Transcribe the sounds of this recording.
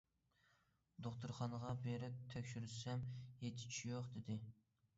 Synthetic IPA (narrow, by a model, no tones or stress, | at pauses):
d̪oχt̪ʰuɾχɑnəʁɑbeɾɪp̚t̪ʰɛkʲʃyɾyʃsɛmjet̪ʰɪ̥t͡ʃʰijoqd̪ɪd̪ɪ